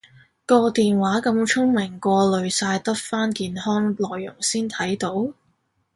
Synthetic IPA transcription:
kɔː˧t̪iː˨nwaː˨˥kɐ˨˧mt͡ʃʰʊ˥ŋmɪ˨˩ŋkʷɔː˧lɵ˨˧ɥsaː˧jt̪ɐ˥t̚faː˥nkiː˨nhɔː˥ŋlɔː˨jːʊ̰˨˩ŋsiː˥nt̪ʰɐ˨˥jt̪o˨˥w

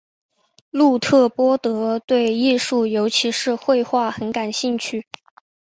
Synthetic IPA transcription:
lu˥˧t̪ʰɤ˥˩pwɔ˥t̪ɤ˧˥t̪we˥˧ɪi˥˧ʂu˥˩jo˧˥ʊt͡ɕʰi˧˥ʂɻ̩˥˧xwe˥˧ɪxwa˥˩xə˧˥nka˨˩nɕi˥˧ŋt͡ɕʰy˥˩

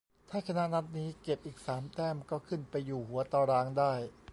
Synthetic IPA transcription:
t̪ʰaː˥˩kʰa˧na˦˥ʔna˦˥t̪̚niː˦˥ke˨˩p̚ʔiː˨˩k̚saː˩˦mt̪ɛː˥˩mkɔː˥˩kʰɯ˥˩npa˧jːuː˨˩hu˩˦ɐt̪ɔː˧ɾaː˧˥ŋdaː˥˩j

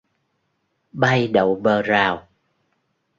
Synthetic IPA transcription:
ɓa˧jɗə˨wɓəː˨˩zaː˨˩w

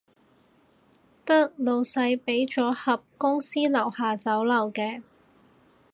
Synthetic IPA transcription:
t̪ɐ˥k̚lo˨wsɐ˧jpe˨˥jt͡ʃɔː˨˥hɐ˨p̚kʊ˥ŋsiː˥lɐ˨˩whaː˨t͡sɐ˨˥wlɐ˨˩wkɛː˧

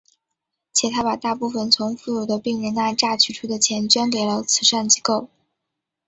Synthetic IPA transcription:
t͡ɕʰjɛ˨˩t̪ʰa˥pa˨˩t̪a˥˧pu˥˩fə˨˩nt͡sʰʊ˧˥ŋfu˥˩ɻu˨˩d̪ə˦pi˥˩ŋɻɛ˧˥na˥˧nʈ͡ʂa˥˧t͡ɕʰy˥˩ʈ͡ʂʰu˥d̪ə˨t͡ɕʰjɛ˧˥nt͡ɕɥɛ˥nk̬e˨˩ɪlə˦t͡sʰɹ̩˨˧˩ʂa˥˩nt͡ɕi˧˥ko˥˩ʊ

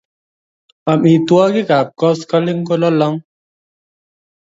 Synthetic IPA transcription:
a˨mi˨twɔ˦ki˦ka˨p̚kɔ˦ska˦li˦ŋ˦ko˦lɔ˦lɔ˦ŋ

